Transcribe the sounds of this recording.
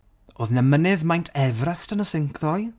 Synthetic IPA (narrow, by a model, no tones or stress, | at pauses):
oːðnɛmənɨðmajntʰɛvrastənəsɪŋkʰðɔj